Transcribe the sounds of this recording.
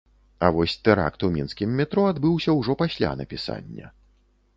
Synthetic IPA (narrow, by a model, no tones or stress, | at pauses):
ɐvɔsʲt̪ɛɾa̰kt̪umʲinskʲimːʲɛt̪ɾɔad̪bɨwsʲɐwʐɔpasʲlʲa̰nɐpʲisa̰nʲːɐ̰